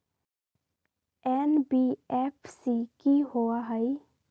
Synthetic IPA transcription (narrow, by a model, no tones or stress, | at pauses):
ɛːnbiɛːpʰsikiɦoaɦəi